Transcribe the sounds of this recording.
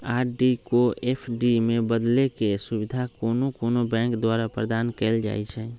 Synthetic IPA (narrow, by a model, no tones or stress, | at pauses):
aːɾɖikoepʰɖimẽbəd̪lekesubid̪ʱakonokoːnobɛ̃ŋkd̪waɾapɾəd̪aːnkɛɪld͡ʒa̰jt͡ʃʰɛ